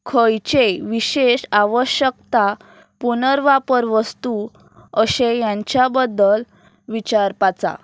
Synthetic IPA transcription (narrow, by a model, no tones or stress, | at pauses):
kʰəjt͡ɕeʋiɕeɕaʋəɕjəkt̪a | punəɾʋapəɾʋəst̪u | əɕejãɲt͡ɕjabəd̪ːəl | ʋit͡ɕaɾpat͡sa̰